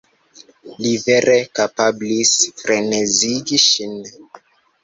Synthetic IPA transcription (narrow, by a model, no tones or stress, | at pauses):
liveɾʔekapablisfɾeneziɡiʃin